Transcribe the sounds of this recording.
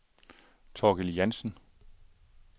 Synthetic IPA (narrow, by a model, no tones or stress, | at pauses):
t͡sʰɒːɡ̥eljænsn̩